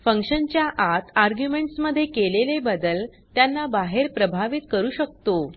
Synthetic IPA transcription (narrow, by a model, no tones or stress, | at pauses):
fəŋkɕənt͡ɕjaʔat̪aɾɡjumeɳʈsməd̪ʱːjekelelebəd̪əl | t̪janːabaɦeɾpɾəbʱaʋit̪kəɾuːɕək̚t̪o